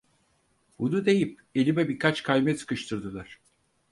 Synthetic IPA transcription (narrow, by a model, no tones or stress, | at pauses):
bunud̪e̞jip̚ | e̞lʲimɛbiɾkʰat͡ʃkʰajmɛsʰɯ̥kɯʃt̪ʰɯɾd̪ɯlˠaɾ̥